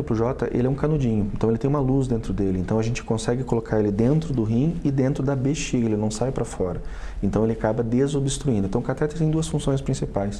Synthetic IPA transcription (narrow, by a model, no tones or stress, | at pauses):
ʊpɾʊʒɔt̪ɐʔḛlɪɛũkanud͡ʒĩɲʊẽnt̪ɐ̃w̃elɪt̪ẽj̃ũmɐluzd̪ẽnt̪ɾʊd̪elɪẽnt̪ɐ̃w̃ɐʒẽnt͡ʃɪ̥kõsɛɡɪkolokʰaɾelɪd̪ẽnt̪ɾʊd̪ʊɦĩɪd̪ẽnt̪ɾʊd̪ɐbeʃiɡɐelɪnɐ̃w̃sajpɾɐfɔɾɐẽnt̪ɐ̃w̃elɪakabɐd̪ezobɪst̪ɾuĩd̪ʊẽt̪ɐ̃w̃kat̪ɛt̪ɾɪt̪ẽj̃d̪uɐsfũsõj̃spɾĩsipajs